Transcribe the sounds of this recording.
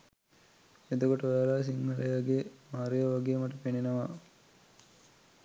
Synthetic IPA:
ed̪okoʈəʋæɾaːs̬iŋhɐlejaɡemaːɾejɐʋaɡeːmɐʈəpenenɐʋa

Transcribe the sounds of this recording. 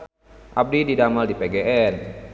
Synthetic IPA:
ʔap̚dididamaldipeɡeʔɛn

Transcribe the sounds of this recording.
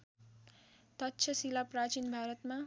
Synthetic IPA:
t̪ʌtːʃʰʌsilaprat͡ʃinbʱaɾʌt̪ma

